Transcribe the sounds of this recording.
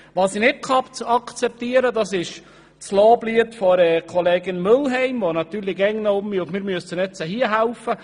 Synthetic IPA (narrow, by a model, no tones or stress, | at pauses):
ʋɑːsinɪt̚kʰɑpt͡sɑkt͡sɛp̚t̪iəɾədɑsɪʃ | t͡sloːbliətfɔɾɛːkʰɔleːɡɪnmølɦɛɪmʋɔnɑt̪yːɾliɡɛŋnəʊmiʊtmɪɾmyəsənɛt͡səɦiəɦæwfə